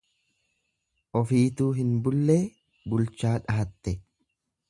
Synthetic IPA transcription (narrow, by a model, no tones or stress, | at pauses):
ʔɔfiːt̪uːɦɪnbʊlːeː | bʊlt͡ʃaːᶑɐɐt̪ːɛ